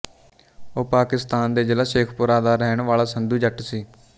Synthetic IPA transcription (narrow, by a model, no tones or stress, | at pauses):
oːpaːkɪst̪aːnd̪eːd͡ʒəlaːʃeːkʰpʊɾaːd̪aːɾɛːɳʋaːlaːsənd̪uːd͡ʒəʈsiː